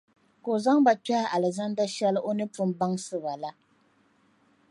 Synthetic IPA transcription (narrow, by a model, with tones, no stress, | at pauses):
ko˨za˦ŋba˨ta˦a˦ʔa˨lɨ˨za˦nda˦ʃɛ˦lɨ˦ʔo˦nɨ˦pʊ˦mba˦ŋsɨ˦βa˨la˦